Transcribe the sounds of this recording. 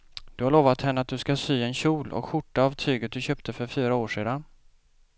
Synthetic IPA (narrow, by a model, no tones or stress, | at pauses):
d̪̥ɵhaɭoːvat̪hɛnːəat̪̚d̪ɵskasyːɛnɕuːlʔɔ̰kɧʊʈːaːvt̪ʰyːɡət̪̚d̪ɵɕøːp̚t̪ʰəfœɾfyːɾaoːʂeːd̪an